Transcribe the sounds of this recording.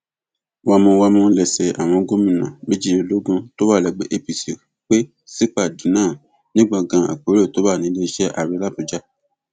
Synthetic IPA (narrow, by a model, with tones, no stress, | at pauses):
wa˧mũ˧wa˧mũ˧lɛ˨sɛ˨ʔa˨w̃ɔ̃˧ɡo˦mĩ˨nã˨me˦d͡ʒi˦e˨lo˨˦ɡũ˧to˦ba˦˨lɛ˨ɡ͡be˨ʔe˦pi˨se˨ | k͡pe˦ | si˦k͡pa˨dĩ˨˦nãː˦˨ | nĩ˦ɡ͡ba˦˨ɡã˧a̰˨k͡po˨˦ɾe˦˨to˨˦ba˦˨nĩ˨˦le˦˧i˦ʃɛ˦ʔa˦˨ɾi˨˧˦la˦pũ˨d͡ʒa˦